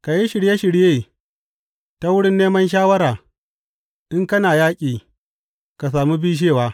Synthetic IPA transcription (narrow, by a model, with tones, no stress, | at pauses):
ka˨ji˦ʃɪ˨ɽje˦ʃɪ˨ɽjeː˦˨ | ta˦wʊ˦ɽɪ˦nːeː˦mɐ˦nʃ̬aː˦wɐ˦ɾaː˨ | ʔɪ˦ŋkɐ˦naː˨jaː˦kʲʼiː˨ | ka˨s̬aː˨mu˦biː˦ʃ̬eː˦˨waː˦